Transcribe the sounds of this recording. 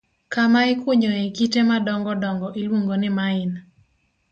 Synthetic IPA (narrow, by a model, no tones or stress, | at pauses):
kamaɪkwoɲoekitemadɔŋɡɔdɔŋɡɔʔilwoŋɡonɪmaɪn